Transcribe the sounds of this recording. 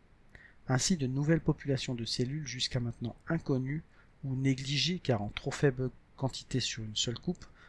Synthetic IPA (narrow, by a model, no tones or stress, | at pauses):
ɛ̃sid̪ənuvɛlpɔpylasjɔ̃d̪əselylʒyskamɛ̃t̪nɑ̃ɛ̃kɔny | uneɡliʒekaʁɑ̃t̪χofɛbl | kɑ̃t̪ʰi̥t̪esyʁynsœlkup